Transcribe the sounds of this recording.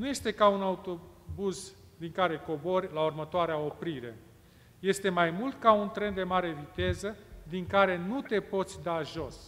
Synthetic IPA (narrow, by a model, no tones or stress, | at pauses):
nuje̞st̪e̞kaunaut̪o̞buz | d̪iŋkaɾe̞ko̞bo̞rʲlaurmət̪oaɾeao̞pɾiɾe̞̰ | je̞st̪e̞majmult̪kaunt̪ɾe̞nd̪e̞maɾe̞vit̪e̞zəd̪iŋkaɾe̞nut̪e̞po̞t̪sʲd̪aʒo̞s